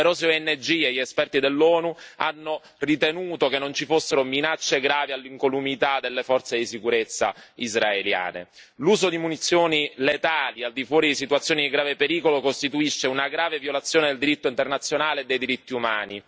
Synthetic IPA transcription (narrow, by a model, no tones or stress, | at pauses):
eɾɔsoɛnːed͡ʒieʎːɛspɛrt̪id̪elːɔːnuanːo | rit̪enuːt̪okenːont͡ʃifosːeɾominat͡ʃːeɡɾaːvialːiŋkolumit̪ad̪elːefɔrt̪sed̪isikuɾet̪sːa̰izraelja̰ːnḛ | luːzod̪imunit̪sːjoːnilet̪aːliald̪ifwɔːɾid̪isit̪wat̪sːjoːnid̪iɡɾaːvepeɾiːkolokost̪it̪uiʃːeunaɡɾaːvevjolat̪sːjoːned̪eld̪iɾit̪ːoint̪ernat̪sːjonaːled̪ːejd̪iɾit̪ːiumaːni